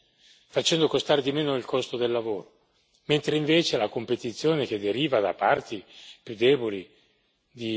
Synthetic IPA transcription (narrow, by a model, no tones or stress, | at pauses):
fat͡ʃɛnd̪okost̪aːɾed̪imeːnoilkʰɔst̪od̪elːavoːɾo | ment̪ɾeiɱveːt͡ʃelakompet̪it̪sːjoːnek̟ed̪ːeɾiːvad̪a̰part̪ipjud̪ːɛːboli | d̪i